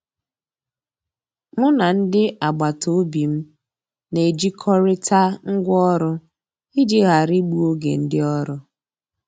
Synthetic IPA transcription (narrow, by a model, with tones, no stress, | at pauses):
mʊ˦na˨n̩˦dɪ˦ʔa˨ɡ͡ba˨tʰo˨˦bi˨m̩˦ | ne˨d͡ʒi˦kʰɔ˦ɾɪ˦tʰa˦ŋ̩˦ɡʷɔ˦ɾʊ˦ | i˦dɪ˦ɣa˨ɾi˦ɡ͡bu˦o˦ɡḛ˨n̩˦dɪ˦ɔ˦ɾʊ˦